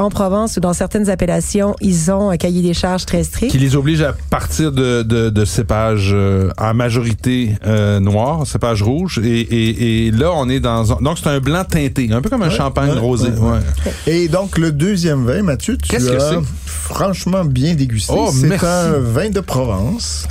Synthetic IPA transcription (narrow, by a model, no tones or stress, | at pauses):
ɑ̃pχɔvɑ̃sud̪ɑ̃sɛʁt̪ɛnzapelasjɔ̃ʔilzɔ̃kʲajed̪eʃaʁʒt̪χʁɛst̪χɪkkʲilezɔbliʒapaʁt̪iːʁd̪əd̪əd̪əsepaʒøa̰maʒɔʁit̪eønwaːʁsepaʒʁuːʒeʔːlʌɔ̃ned̪ɑ̃zɛ̃d̪ɔ̃kse̥t̪œ̃blɑ̃t̪ɛ̃t̪eɛ̃pøkɔmɛ̃ʃɑ̃paɲʁoːzewɛed̪ɔ̃kləd̪øzjɛmvɛ̃mat̪jøt̪kɛsyaɛ | fχɑ̃ʃmɑ̃bjɛ̃d̪eɡʲystoemɛɛsvɛ̃d̪əpχɔvɑ̃ːs